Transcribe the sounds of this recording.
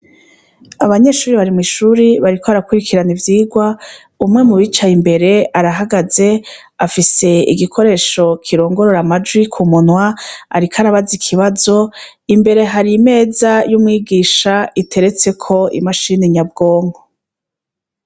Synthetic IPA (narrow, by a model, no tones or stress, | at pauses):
aβaɲe̞ːʃuːɾiβaɾimŋiʃuɾiβaɾikʰoaɾakuɾikʰiɾanivjiːɡwa | umŋe̞muβit͡ʃajimbe̞ɾe̞aɾaɦaɡaze̞ | afise̞ḭɡikʰo̞ɾe̞ːʃo̞kʰiɾo̞ːŋɡo̞ɾo̞ɾamad͡ʒwikʰumunwaa̰ɾikʰaɾaβazikʰiβazo̞ | imbe̞ɾe̞ɦaɾime̞ːzajumŋiːɡiːʃaitʰe̞ɾe̞t͡se̞kʰo̞ḭmaʃiniɲab̚ɡo̞ːŋɡo